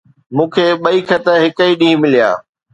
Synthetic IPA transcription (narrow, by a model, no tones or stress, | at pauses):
mũːkʰeːɓɐikʰɐt̪əɦɪkəiɗĩːmɪlija̰ː